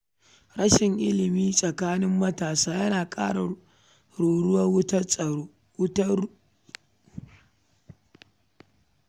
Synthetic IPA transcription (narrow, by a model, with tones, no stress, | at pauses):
ɽɐ˦ʃɪ˨ŋʔɪ̰˦lɪ˨miː˦sʼɐ˨kaː˦nɪ˦mːɐ˦taː˨saː˦jɐ˦naː˨kʼaː˦ɽa˨ | ɽoː˨ɽʊ˦wɐ˦wtʼː | tɐ˦